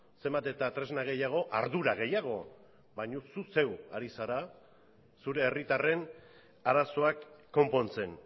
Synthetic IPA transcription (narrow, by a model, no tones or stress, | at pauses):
se̞mbat̪e̞t̪at̪ɾe̞znaɣ̞e̞jaɣ̞o̞ʔa̰ɾðuɾaɣ̞e̞jaɣ̞o̞̰ | baɲususe̞wa̰ɾisaɾa | suɾe̞ːrit̪are̞n | aɾaso̞akːo̞mpo̞nt͡se̞n